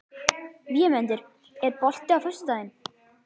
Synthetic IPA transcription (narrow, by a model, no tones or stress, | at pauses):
vjɛmɛnt̪ɪɾ̥ | ɛðpɔl̥t̪ɪawfœ̥st̪aðɪn